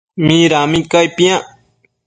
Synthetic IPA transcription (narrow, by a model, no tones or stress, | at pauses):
mĩɾamĩkajpĩã